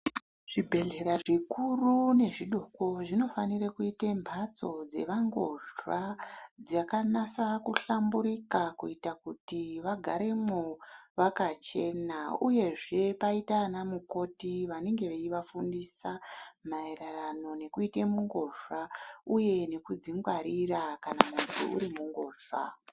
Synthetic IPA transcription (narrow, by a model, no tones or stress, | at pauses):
ʐ̥ibʱe̞ɮe̞ɾaʐikurune̞ʐiɗoko̞ʐino̞fanirakuitembʱat͡so̞d͡ze̞̰ʋaŋɡo̞̰ʐwad͡zakanasakuɬambuɾikakuitakutiʋaɡʱaɾe̞moʋakat͡ʃe̞nauje̞ʐe̞paitanamuko̞tiʋane̞ŋɡe̞ʋeiʋafundisamaeɾarano̞ne̞kuite̞muŋɡo̞ʐwauje̞ne̞kud͡ziŋɡwaɾirakanakukutḭṵɾimuŋɡo̞ːʐa̰